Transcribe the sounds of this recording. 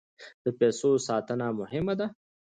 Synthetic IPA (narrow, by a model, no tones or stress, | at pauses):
d̪̥əpesosɑːt̪ənamʊhɪmad̪a